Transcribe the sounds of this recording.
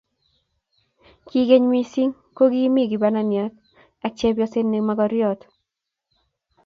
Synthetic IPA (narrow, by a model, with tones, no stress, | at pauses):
ki˦ɡe˦ɲwi˦si˦ŋ | ko˦ɡi˦mi˦ɡi˨ba˦na˨nja˨k̚ | ɛ˦k̚t͡ʃe˦bjɔ˦sɪ˦nːe˨maɡɔɾjɔ˨t̪